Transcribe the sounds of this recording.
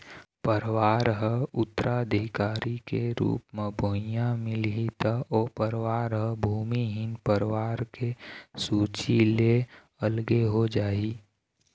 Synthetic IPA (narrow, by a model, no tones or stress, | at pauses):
pəɾʋaːɾɦəʊt̪ːəɾʔaəd̪ʱɪkaːɾikeɾṵːpmebʱojãmɪlɦit̪əɔːpəɾʋaːɾɦəbʱuːmiɦɪnpəɾʋaːɾkesuːt͡ʃile | əlɡeɦod͡ʒaːi